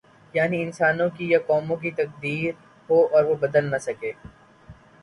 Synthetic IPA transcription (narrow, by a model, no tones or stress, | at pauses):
jaːniɪnsaːnõkijakɔːmõk̬it̪ɐk̚d̪iːɾ | ɦoːɔːɾʋobɐd̪əlnɐsɐkeː